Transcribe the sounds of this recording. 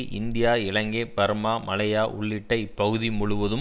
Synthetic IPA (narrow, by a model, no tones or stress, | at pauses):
ʔɪnd̪ɪjaːɪɭɐŋɡeːpɐɾmaːmɐlɐjaːʔʊ̰ɭːɪʈːɐɪpːɐɣɯðimʊɭʊʋɐðɯ